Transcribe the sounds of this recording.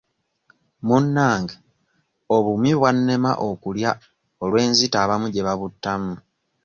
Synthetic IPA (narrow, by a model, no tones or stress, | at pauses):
munːaːŋɡe | oβumiβwanːe̞ma̰ʔokulja | olwe̞ːnzitaːβamuɟe̞βaβutːamu